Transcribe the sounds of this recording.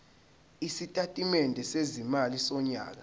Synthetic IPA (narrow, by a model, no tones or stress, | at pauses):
isitʼatʼimɛndʱɛsezimalisɔɲa̰ːk̬a